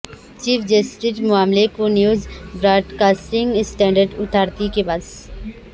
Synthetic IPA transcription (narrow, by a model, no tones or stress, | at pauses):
t͡ʃiːfʰd͡ʒəsʈɪʈmʊaːmlekonjuːzbɾaːʈkaːsʈɪ̃ŋɡsʈɛ̃ːɳɖəɾɖʊt̪ʰaːɾt̪ikebas